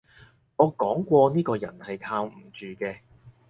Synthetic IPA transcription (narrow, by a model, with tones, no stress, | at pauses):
ŋɔː˨˧kɔː˨˥ŋkʷɔː˧niː˥kɔː˧jɐ̰˨˩nhɐ˨jt̪ʰaː˧wm̩˨˩t͡ʃyː˨kɛː˧